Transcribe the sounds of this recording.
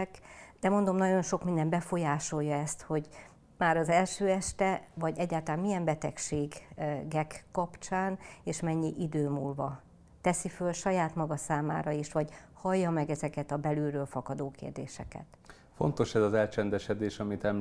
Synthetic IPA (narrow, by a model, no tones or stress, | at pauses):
kd̪̥ɛmond̪o̞mnɒɟo̞nʃo̞kmind̪ɛmbɛfo̞jaːʃo̞jːɒɛst̪ho̞ɟ | maːɾɒzɛlʃøːɛʃt̪ɛvɒɟɛɟːaːlt̪laːnmiɛmbɛt̪ɛkʃeːɡɡɛkːɒpt͡ʃaːneːʃmɛɲːiʔid̪øːmuːlvɒ | t̪ɛsifølʃɒjaːt̪mɒɡɒsaːma̰ːɾɒiʃʋɒɟ | hɒjːɒmɛɡɛzɛkɛt̪ɒbɛlyːɾøːlfɒkɒd̪oːkḛːrd̪ḛːʃɛ̰kɛ̰t̪ | fo̞̰nt̪o̞ʃɛzɒzɛlt͡ʃɛnd̪ɛʃɛd̪eːʃɒmit̪ɛm